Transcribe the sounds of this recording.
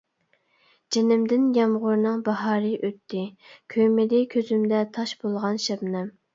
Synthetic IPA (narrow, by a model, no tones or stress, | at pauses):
d͡ʒenɪmd̪ɪnjɑmʁʊɾnɨŋbɑɦɑːɾɨʔøt̪ʰːɪkʲʰømɪd̪ɪkʲʰøzymd̪ɛt̪ʰɑʃbolˠʁɑnʃɛbnɛm